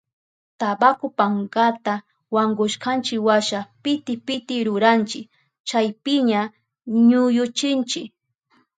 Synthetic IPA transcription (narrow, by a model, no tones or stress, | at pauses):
t̪abakʊpaŋɡat̪a | waŋɡʊʃkant͡ʃɪkwaʃapɪt̪ɪpɪt̪ɪɾʊɾant͡ʃɪk | t͡ʃajpɪɲa | ɲʊjʊt͡ʃɪnt͡ʃɪk